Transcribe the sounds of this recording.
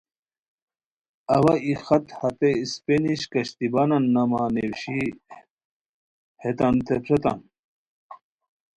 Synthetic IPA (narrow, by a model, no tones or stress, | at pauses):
ɐwɐixɐt̪hɐt̪eispeniɕkɐɕt̪ibanɐnːɐmaːnewɕi | het̪ant̪ʰepʰet̪a̰n